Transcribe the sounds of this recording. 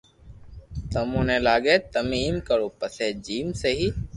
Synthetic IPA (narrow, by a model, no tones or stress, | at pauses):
t̪əmũːnẽːlaːɡeːt̪əmiːmkəɾoːpəseːd͡ʒiːmseːɦiː